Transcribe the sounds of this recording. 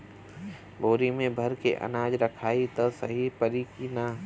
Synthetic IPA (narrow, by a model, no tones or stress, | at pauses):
boːɾimẽbʱɐɾkʰḛʔɐ̰naːd͡ʒɾɐkʰaːit̪ɐsɐɦipɐɾiːkina